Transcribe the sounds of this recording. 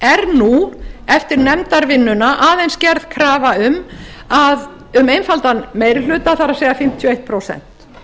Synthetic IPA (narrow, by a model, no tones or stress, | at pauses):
ɛɾnuɛft̪ɪɾnɛmt̪aɾvɪnːʏnaʔaːðejnscɛɾð̥kʰɾaːvaʏmað | ʏmeːjnfalt̪anmeːjɾɪlʏːt̪aθaɾaseːjɣafɪm̥t̪ʰjɔejht̪pʰɾoːwsɛ̰n̥t̪